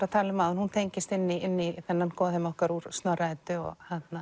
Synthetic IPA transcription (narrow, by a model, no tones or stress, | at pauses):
ɾaðt̪ʰaːlɪmːaːðʏnhunt̪ʰejɲcɪst̪ɪnːɪɪnːiθɛnːankɔːðɪmɔhkaɾuɾ̥st̪nœraɛt̪ʏɔ̰ɣhat̪na